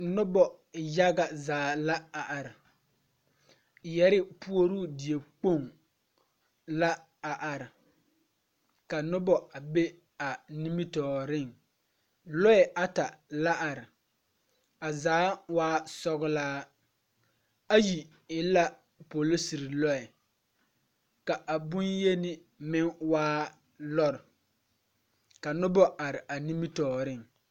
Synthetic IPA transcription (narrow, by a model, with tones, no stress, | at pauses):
nʊ˦bɔ˨ | ja˦ɡa˨zaː˨˦˨la˦a˨ʔa˨ɾɪ˨ | jɛ˦ɾɪ˦pu˦o˦ɾuː˦˨dɪ˨e˨k͡po˦˨ŋ | la˦ | a˨ʔa˨ɾɪ˨ | ka˨nʊ˦bɔ˨a˨be˦ | a˨ni˦mi˦tɔː˨ɾɪ˦˨ŋ | lɔ˦ɛ˨ʔa˦ta˨la˦ʔa˨ɾɪ˨ | a˨zaː˨˦waː˦sɔ˦ɣʊ˨laː˦ | a˦ji˨ | ɪ˦la˦ | po˨lo˦si˨ɾɪ˨lɔ˦ɛ˨ | ka˨ʔa˨bʊ˦nje˦nɪ˦ | mɪ˦ŋwaː˦ | lɔ˦ɾɪ˨ | ka˨nʊ˦bɔ˦ʔa˨ɾɪ˨ʔa˨ni˦mi˦tɔː˨ɾɪ˦˨ŋ